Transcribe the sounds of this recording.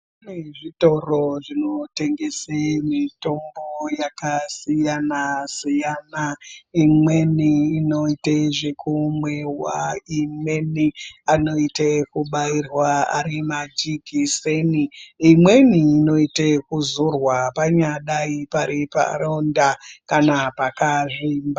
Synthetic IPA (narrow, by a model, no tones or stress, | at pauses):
aneʐito̞ro̞ʐino̞te̞ŋɡe̞semito̞mbojakasijanasijanaimwe̞niːno̞iteʐekʰumwe̞wa̰imwe̞niano̞itekuɓairwaa̰ɾimad͡ʒikiseniːmwe̞niːno̞itekuzurwapaɲaɗaipaɾipa̰ro̞ndakanapakaʐiːmba